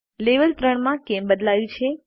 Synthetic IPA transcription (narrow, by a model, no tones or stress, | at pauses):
leʋəlt̪ɾəɳmãkembəd̪lajũt͡ʃʰe